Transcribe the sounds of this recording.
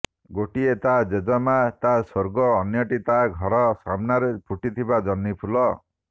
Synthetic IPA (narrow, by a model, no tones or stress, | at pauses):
ɡoʈiet̪ad͡ʒed͡ʒɔmat̪asoɾɡɔːnjɔʈit̪aɡʱɔɾɔsamnaɾepʰuʈit̪ʰibad͡ʒɔnːipʰulɔ